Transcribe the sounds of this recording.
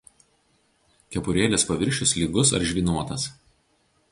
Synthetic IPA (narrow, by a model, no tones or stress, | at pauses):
kʲɛpʊɾʲeːlʲespɐʋʲɪɾʲʃʲʊslʲiːɡʊsɐ̰ɾʒʲʋʲiːnuɔt̪ɐs